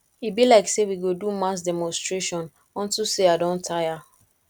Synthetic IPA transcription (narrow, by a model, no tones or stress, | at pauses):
ibilaɪksewiɡodumas̬dɛmɔ̃nstɹeʃɔ̃n | ɔ̃ntuseadɔ̃ntʰaja